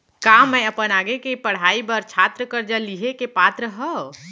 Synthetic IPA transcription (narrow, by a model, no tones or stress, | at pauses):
kamːə̃əpənaːɡekepəɽ̤aːibəɾt͡ʃʰaːt̪ɾəkəɾd͡ʒəliɦekepaːt̪ɾəɦə